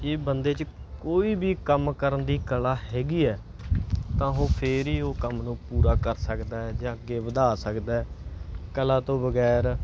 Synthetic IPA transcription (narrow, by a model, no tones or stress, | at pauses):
eːbənd̪eːt͡ʃ | koːiːbʱiːkəmkəɾənd̪iːkəlaːɦɛːɡiːɛː | t̪ãːɦoːpʰeːɾiːoːkəmnũːpuːɾaːkəɾsəkd̪aːɛd͡ʒãːəɡeːʋəd̪aːsəkd̪aːɛːkəlaːt̪õːbəɡɛːɾ